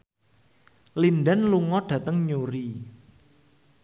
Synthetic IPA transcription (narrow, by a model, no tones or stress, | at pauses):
lindanluŋɔɖ̥ä̤t̪əŋɲuɾi